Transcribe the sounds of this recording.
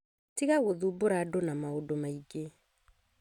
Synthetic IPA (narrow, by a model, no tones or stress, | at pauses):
tiɣaɣoðuboɾadonamaodomaiɡe